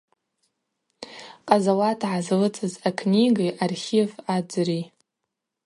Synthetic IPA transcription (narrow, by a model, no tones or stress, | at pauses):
qʼazawatʰʕazlɨt͡sʼɨzakʰnʲiɡajʔarχʲivad͡zri